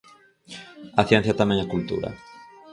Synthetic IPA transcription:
aθjẽn̟θjat̪amẽŋakult̪ṵɾɐ̰

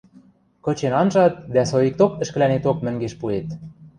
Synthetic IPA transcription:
kɤ̆t͡ɕenɑnʒɑt̪̚d̪æsojik̚t̪okɘ̆ʃkɘ̆lænet̪op̚mɘ̆ŋɡeʃpuet̪̚

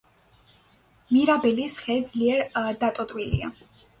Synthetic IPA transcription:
miɾabɛlisχɛd̪zliɛɾd̪at̪ʼɔt̪ʼwilḭa̰

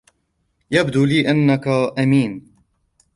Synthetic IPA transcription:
jabd̪uːliːʔɪnːakaʔamiːn

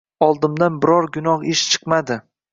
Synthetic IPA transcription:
ɒlˠd̪ɪmd̪anbɪɾɒɾɡʊnɒχɪʃt͡ʃʰɨ̥qmad̪ɪ

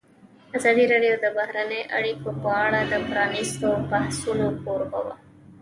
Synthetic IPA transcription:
azɑd̪iɾeɖijod̪əbaɦɾaneʔa̰ɽikopɑɳad̪əpɾɑnist̪obahsunopoɾba̰wa̰

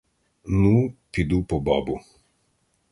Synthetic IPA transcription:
nupid̪upɔbɔ̰bu

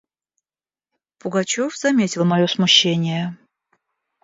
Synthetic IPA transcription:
pʊɡɐt͡ɕofz̥ɐmʲetʲɪlˠmɐjo̞smʊɕːenʲɪjə

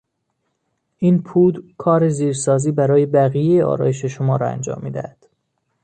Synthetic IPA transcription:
ʔiːnpʰuːd̪kʰɒːɾe̞ziːɾsɒːziːbæɾɒːje̞bæɣijejeʔɒ̰ːɾɒ̰ːje̞ʃe̞ʃomɒːɾɒæ̰nd͡ʒɒ̰ːmːḭːd̪æ̰hæd̪̥

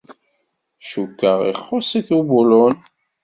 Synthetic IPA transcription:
ʃukːəʁḭχːʊsˤiθubulʊn

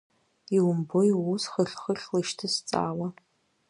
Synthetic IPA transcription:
iwʊmbojwusχəɬχəɬlɨʃtʰɨst͡sʼa̰ːwɐ

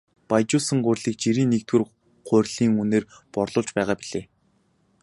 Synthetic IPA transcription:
pajt͡ɕʊːsə̆ŋɢʊrʲɮiːk̚t͡ɕiɾiːnːekt̪wɘ̆r | ɢʊrʲɮ̥iːŋuneːr | pɔrɮʊːɮt͡ɕpæːʁaːpiɮeː

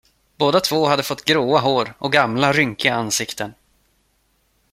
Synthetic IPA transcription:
boːd̪at̪ʰv̥oːɦad̪ːəfɔt̪ːɡɾoːaɦoːɾʔɔɡamlaɾʏŋkɪɡaansɪkt̪ʰən

